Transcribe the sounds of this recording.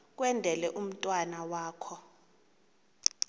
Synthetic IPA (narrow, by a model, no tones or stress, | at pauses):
k̬ʼwɛndʱɛlɛʔum̩tʼwanawaːkʰɔ